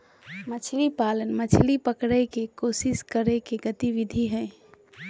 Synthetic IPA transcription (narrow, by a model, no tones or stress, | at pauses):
mət͡ʃʰlipalənmət͡ʃʰlipəkɽəkekosɪskəɾekeɡət̪iʋid̪ʱiɦɛ̃